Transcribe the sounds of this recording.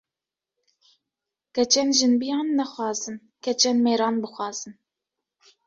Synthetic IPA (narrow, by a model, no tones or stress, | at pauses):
kɛt͡ʃʰɛnʒɨnbijɑːnːɛxʷɑːzɨn | kʰɛt͡ʃʰɛnmeːɾɑːnbɨxʷɑːz̥ɨn